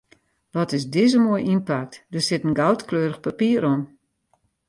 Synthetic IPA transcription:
ʋɔtɪsdɪzəmoəjʔinpak̚tdərsɪtənɡawtkløːɾəxpapiəɾɔm

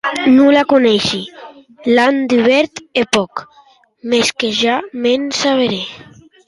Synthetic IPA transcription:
nulakonɛʃi | land̪iβɛɾt̪epɔk | meskeʒamensaβeɾe

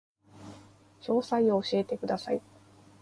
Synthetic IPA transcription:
ɕo̞ːsaio̞ːɕie̞t̪e̞kɯ̟d̪asai

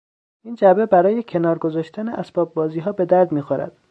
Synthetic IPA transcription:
ʔiːnd͡ʒæbebæɾɒːjecʰe̞nɒːɾɡo̞zɒːʃt̪ʰæneʔæsb̥ɒːb̚bɒːziːɦɒːbe̞d̪æɾd̪miːxoɾæ̰d̪̥̚

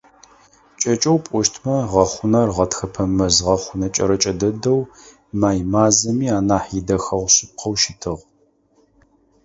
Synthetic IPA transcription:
t͡ʃʼɐt͡ʃʼɐwpʷʼɔʃtʰmɐʁɐχʷʊnɐrʁɐtxɐpʰɐmɐzʁɐχʷʊnɐt͡ʃʼɐ̰ɾɐt͡ʃʼɐdɐdɐw | maːjmaːzɐmiːaːnaːħidɐxɐʁʷɕɪp̚qʰɐwʃɪtʰɨʁ

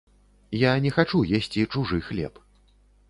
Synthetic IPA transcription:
janʲɛxat͡ʂujɛsʲt͡sʲit͡ʂuʐɨxlʲɛ̰p

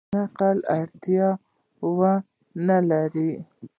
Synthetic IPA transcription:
aqalaɾt̪ijɑ | wa | nalaɾi

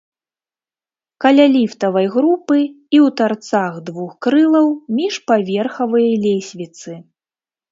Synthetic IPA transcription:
kɐlʲalʲift̪ɐvɐjɣɾupɨ | iwt̪art̪saɣd̪vuxkɾɨlˠɐwmʲiʂpavʲɛrxɐvɨjɐjlʲesʲvʲit̪sɨ

